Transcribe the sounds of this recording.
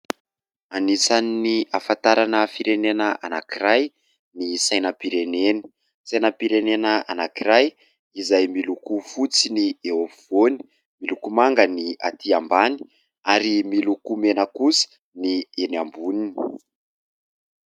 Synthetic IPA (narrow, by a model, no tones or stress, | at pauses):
anisanːiafant̪aɾanəfiɾenenəa̰nakiɾaj | nisajnəpiɾeneni̥ | sajnəpiɾenenəa̰nakiɾaj | izajmilukufut͡sinieofiv̥oni̥ | milukumaŋɡənia̰t̪ʰiambani̥ | aɾimilukumenəkusə̥ | nienambunini